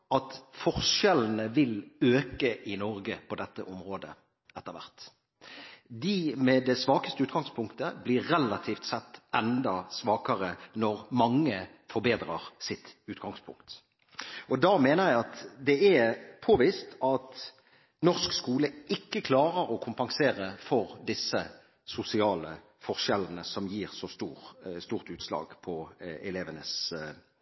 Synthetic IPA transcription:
ɑt̪fɔʁʂɛln̩əʋɪløːkəʔɪnɔʁɡəpʰɔd̪ɛt̪ːəʔɔmʁoːd̪ə̰ | ɛt̪ːəʁʋæ̰ʁt̪ | d̪ɪmɛd̪ɛsʋɑːkə̥st̪əʉːt̪ɡɑŋspʰʊŋkt̪əblɪɾːɛlɑt̪ʰiːft̪sɛt̪ːɛnd̪ɑsʋɑːkɑʁənɔʁmɑŋːə | fɔɾbeːd̪ɾɑʁsɪt̪ʉːt̪ɡ̥ɑŋspʰʊ̰ŋkt̪ | ɔd̪ɑmeːnəʁjæɪɑt̪d̪ɛɛpʰoːʋiːst̪ɑt̪ | nɔʁskskuːləɪkːəkʰlɑːʁəɾɔkʰʊmpɑŋseːʁəfɔʁd̪ɪsːə | sʊsɪɑːlə | fɔʁʃɛlːənəsɔmjiːʁsɔst̪uːɾst̪uːʁt̪ʉːt̪slɑ̰ːɡpʰɔɛleːʋənəs

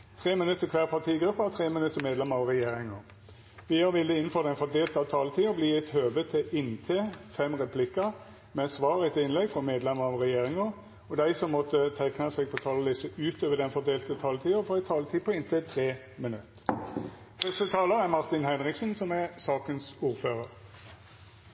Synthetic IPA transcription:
t̪ʰʁeːmɪnʉt̪ːəkʰʋæːʁpʰɑʁt̪ʰiːɡɾʉpːət̪ʰʁeːmənʉt̪ːəmeːd̪lɛməɑʋʁɛjeːɾɪŋə | ʋɪjəɾʋɪləɪnn̩fɔːʁd̪ɛnfɔd̪eːlt̪ɑʋt̪ʰɑːlət̪ʰiːɔbliːɛɪt̪høːʋət̪ʰɪʔɪnt̪ʰeːfɛmʁɛpʰlɪkːə | mɛsʋɑːʁɛt̪ɪnlɛɡfʁɔmeːd̪lɛməɾɑʋʁɛjeːɾɪŋə | ɔd̪æɪsɔmːɔt̪ːət̪ʰɛknɑsɛɡ̚pʰɔt̪ʰɑːlɑlɪsəʔʉːt̪øːʋəd̪ɛnfɔd̪eːlt̪ət̪ʰɑːlət̪ʰiːəfɔʁæɪt̪ʰɑːlət̪ʰiːpʰɔɪnt̪ʰɛt̪ʰʁeː | mənʉt̪ː | fœst̪ət̪ʰɑːləɾæʁmɑʁt̪ɪnhæɪnʁɪksənsɔmɛsɑːkənsuːʁføːʁəɾ

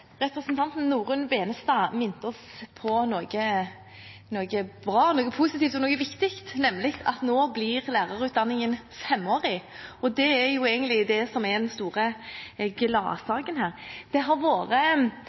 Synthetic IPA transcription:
ɾɛpɾəsənt̪ʰɑnt̪n̩ːuːɾʉnbeːnəst̪ɑːmɪnt̪ɔspʰɔnɔːɡə | noːɡəbɾɑːnoːɡəpʰuːsɪt̪iːft̪ɔnoːɡəʋɪkt̪ɪkt̪nɛmːlɪk̪ʰɑ̰t̪noːblɪʁlæːʁɑɾʉːt̪̚d̪ɑnːɪŋən | fɛmːoːɾɪɔd̪ɛæjʊeːɡənt̪lɪd̪ɛsɔmɛd̪ɛnst̪uːʁəɡlɑ̰ːsɑːɡənhæːɾd̪̥ɛɦɑɾʋoːɾə

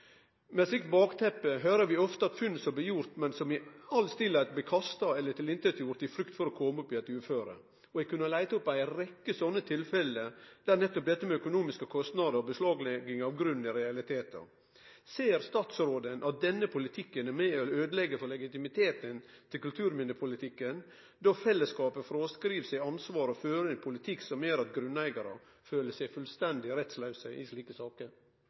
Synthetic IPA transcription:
mɛsɪkt̪̚bɑːkt̪ʰɛpːəɦøːɾəʋɪɔft̪əɑt̪fʉnsɔb̪ɪjʊɾt̪mɛnsɔmɪɑlst̪ɪlːæt̪b̪ɪkʰɑst̪ɑɛlːəʈ̪ʰɪlɪnt̪əɾjuːɾt̪ɪfɾʉkt̪fɔɾɔkʰɔmʉpːɪɛt̪ʉːføːɾə̰ | ɔɛɡkʰʉnəlæɪt̪əɔpːæɪɾɛkːəsɔnːət̪ʰɪlfɛlːəd̪̥æɾnɛt̪ːɔp̚d̪ɛt̪ːəmɛœkʊnuːmɪskəkʰɔst̪nɑd̪əɾɔbəslɑːɡlɛɡɪŋɑʋɡɾʉnɪɾɛɑlɪt̪ʰeːt̪ə̰ | seːɾst̪ɑːt̪sɾoːd̪ənʔɑt̪̚d̪ɛnːəpʰʊlɪt̪ʰɪkːənæɾmeːɪløːd̪əlɛɡːəfɔɾɭɛɡɪt̪ɪmɪt̪ʰeːt̪ənt̪ʰɪlkʉlt̪ʰʉːɾmɪnːəpʰʊlɪt̪ʰɪkːən | d̪ɔfɛlːəskɑːpəfɾoːskɾiːʋsɛɪɑnsʋɑːɾɔføːɾəɪnpʰʊlɪt̪ʰɪkːsɔmjøːɾɑt̪ɡɾʉnːæɪɡɑɾə̰ | føːləsæɪfʉlst̪ɛnd̪ɪɾɛt̪slɑʉsə̰ʔɪ̰sliːkəsɑːkə

